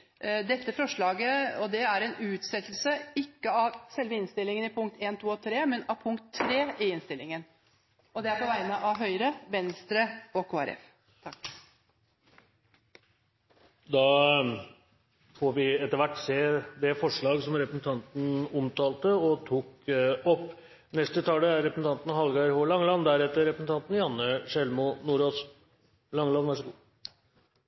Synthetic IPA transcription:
d̪ɛt̪ːəfɔʂɭɑːɡəɔd̪ɛæɾɛnʉːt̪sɛt̪l̩səɪkːəɑʋsɛlʋəɪnst̪ɪlːɪŋənɪpʰʊŋkt̪ʰeːnt̪ʰuːɔt̪ʰɾeːmɛnɑʋpʰʊŋkt̪ʰːɾeːɪɪnst̪ɪlːɪŋən | ɔd̪ɛæɾpɔʋæɪənəʔɑʋɦœʏɾəʋɛnst̪ɾəɔkʰoːæ̰ɾʔɛ̰f | t̪ʰɑk | d̪ɑː | fɔɾʋɪɛt̪ːəɾʋæʈːseːd̪ɛfɔʂɭɑːɡsɔmɾɛpɾəsn̩t̪ʰɑnt̪n̩ʊmt̪ɑːlt̪əɔt̪ʰuːkɔpː | nɛst̪ət̪ʰɑːləæɾɾɛpɾəsn̩t̪ɑnt̪n̩ɦɑlɡɑɾhoːlɑŋːəlɑnd̪æɾɛt̪ːəɾɛpɾəsn̩t̪ɑnt̪n̩jɑnːəʂɛlmʊnuːɾoːs | lɑŋːəlɑnʋæʂəɡuː

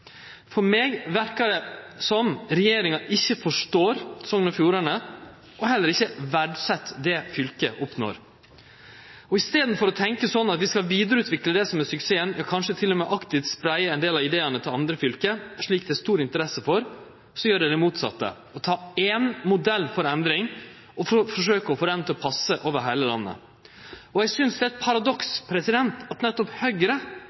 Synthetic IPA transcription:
fɔɾmeːɡʋæɾkəɖɛsɔmɾɛjeːɾɪŋɑʔɪçːəfɔʂʈoːɾsɔŋːənɔfjuːɾənə | ʔɔɦɛlːəɾɪçːəʋæɖsɛt̪ːd̪ɛfʏlkəʔɔpno̰ːɾ | ɔɪst̪eːd̪n̩fɔɾɔt̪ʰɛŋkəsɔnːɑt̪ʋɪskɑlʋiːd̪əɾəʉːt̪ʰʋɪkləd̪ɛsɔmɛsʉkseːənjɑkʰɑnʂət̪ʰɪlːɔmɛːʔɑkt̪ɪʋt̪spɾæɪəɛnd̪eːlɑʋɪd̪eːɑnət̪ʰɪlɑnd̪ɾəfʏlkəʂɭiːk̚d̪ɛæːɾʂt̪uːɾɪnt̪əɾɛsːəfɔɾ | sɔjøːɖɛd̪ɛmuːt̪sɑ̰t̪ːə̰ | ɔt̪ʰɑːenmʊd̪ɛlːfɔɾɛnd̪ɾɪŋ | ɔfɔʂøːkəɔfɔɾɛnt̪ɔpʰɑsːəʔoːʋəɾɦæɪləlɑ̰nːə̰ | ɔɛɡsʏnsd̪ɛæt̪̚pʰɑɾɑd̪ɔkspʰɾɛsɪd̪ɛnt̪ɑt̪nɛt̪ːɔphœʏɡəɾə

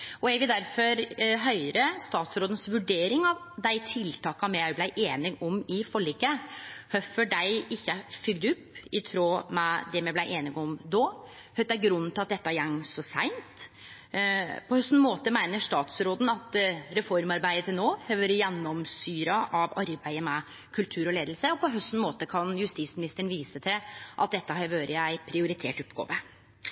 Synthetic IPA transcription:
ʔɔɛɡʋɪld̪æɾfɔɾɦœʏɾəst̪ɑːt̪sɾoːd̪ən̩sʋʉɖeːɾɪŋɑʋd̪æɪt̪ʰɪlt̪ʰɑːkɑmjæɪblæɪʔeːnɪɡɔmɪfɔɭɛɡːəhœfəɖæɪɪçːəfʏɡd̪ʉpːɪt̪ʰɾoːmɛd̪ɛmjæblæɪʔeːnɪɡɔmd̪oː | hœt̪d̪æɪɡɾʉnːn̩t̪ɪlɑt̪d̪ɛt̪ːəæɾjɛŋsɔsæɪnt̪ | pʰɔhœst̪n̩moːt̪əmæɪnəʂt̪ɑːt̪sɾoːd̪n̩ɑt̪ɾɛfɔɾmɑɾbæɪət̪ʰɪlnoːhøʋøɾəjɛnːɔmsyːɾɑʔɑʋɑɾbæɪəmɛ | kʰʉlt̪ʰʉːɾɔleːd̪l̩səɔpʰɔɦœst̪n̩moːt̪əkʰɑnjʉst̪iːt̪smɪnɪst̪əɳ̩ʋiːsət̪ʰɪlʔɑ̰t̪̚d̪ɛt̪ːəhøʋøːɾəjæɪpʰɾɪʊɾɪt̪ʰḛːʈʊpɡo̰ːʋə

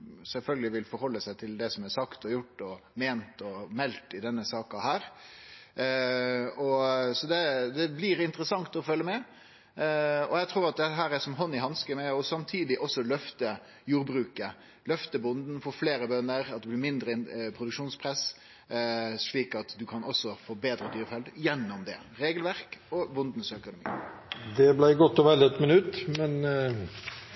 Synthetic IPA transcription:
sɛlfœlɡəlɪʋɪlfɔɾhɔlːəsæɪt̪ʰɪld̪ɛsɔmæsɑkt̪ɔjʊʈːɔmeːnt̪ɔmɛlt̪ɪd̪ɛnːəsɑːkɑhæːɾ | ɔsɔd̪ɛd̪ɛblɪɾɪnt̪əɾəsɑŋt̪ɔfœlːəmɛ | ɔjæɪt̪ʰɾuːɾɑt̪̚d̪ɛɦæːɾæsɔmɦɔnːɪɦɑnskəmɛɔsɑmt̪ʰiːd̪ɪʔɔsːɔlœft̪ə | juːɾbɾʉːkə | lœft̪əbʊnd̪n̩fɔfleːɾəbœnəɾɑt̪d̪ɛblɪɾmɪnd̪ɾəpʰɾʊd̪ʉkʂuːnspʰɾɛs | ʂɭiːkɑt̪d̪ʉkʰɑnʔɔsɔfoːbeːd̪ɾəd̪yːɾfɛld̪jɛnːʊmd̪ɛ̰ | ɾeːɡəlʋæɾkɔbʊnd̪n̩sœkʊnʊmḭːd̪ɛblæɪɡɔt̪ːɔʋɛləɛt̪mənʉt̪ːmɛn

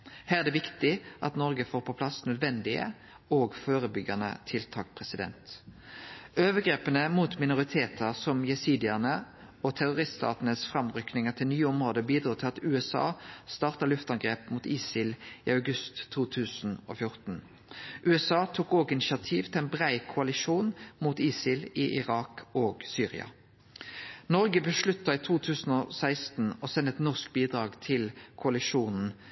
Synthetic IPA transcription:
hæːɾɛd̪ɛːʋɪkt̪ɪʔɑt̪nɔʁɡəfoːɾpʰɔpʰlɑsnœd̪ʋɛnd̪ɪə̰ | oːɡføːʁəbʏɡɑnə̰t̪ʰɪlt̪ʰɑ̰ːkpʰʁɛsɪd̪ɛ̰nt̪ | øːʋəɡʁeːpənəmuːt̪mɪnʊʁɪt̪ʰeːt̪ʰəʁsɔmjɛsiːd̪ɪəʁnə | ɔt̪ʰæʁʊʁɪst̪st̪ɑ̰ːt̪nəsfʁɑmʁʏknɪŋət̪ʰɪlnyːəɔmʁoːd̪əbiːd̪ɾuːt̪ʰɪlɑt̪ʉːɛsɑ̰ːst̪ɑʁt̪əlʉft̪ɑŋɡʁeːpmuːt̪iːsɪlɪ̰ɑʉɡʉst̪ʰːuːt̪ʰʉːsn̩o̰ːfjʊʁt̪n̩ | ʔʉːɛsɑːt̪ʰuːkoːɡɪnɪʃɪɑt̪ʰiːʋt̪ʰɪlæɪnbʁæɪkʰʊɑlɪʂuːnmuːt̪iːsɪlɪʔɪʁɑːkoːɡsyːʁɪ̰ɑ̰ | nɔɾɡəbəʃlʉt̪ːɑiːt̪ʰuːt̪ʰʉːsn̩ɔsæɪst̪n̩ɔsɛnːəɛt̪nɔʁskbiːd̪ʁɑːɡt̪ʰɪlkʰʊɑlɪʂuːnn̩

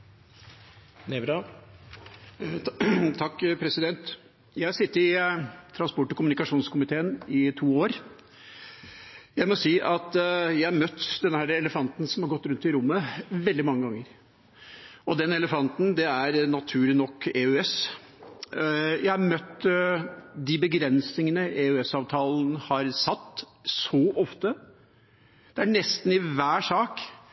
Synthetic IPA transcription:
nebɾɑ | t̪ʰɑkːpʰɾɛsɪd̪ɛnt̪ | jæɪæsɪt̪ːəɾɪt̪ʰɾɑnspɔʈːɔkʊmʉnɪkɑʂuːnskʊmɪt̪ʰeːənɪt̪ʰuːoːɾ | jæɪmɔsiːʔɑt̪jæɪɾmœt̪ːd̪ɛnːəhæːɾəɛləfɑnt̪n̩sɔmhɑɾɡɔt̪ːɾʉnt̪ɪɾʊmːəʋɛld̪ɪmɑŋːəɡɑŋːəɾ | ɔd̪ɛnɛləfɑnt̪n̩d̪ɛæɾnɑt̪ʰʉːɭɪnɔkːeʉɛs | jæɪɑɾmœt̪ː | d̪ɪbəɡɾɛnsnɪŋənəʔɛʉɛsɑːʋt̪ʰɑːln̩hɑɾsɑt̪ː | sɔʔɔft̪ə | d̪̥ɛæɳɛst̪n̩ɪʋæːʂɑːk

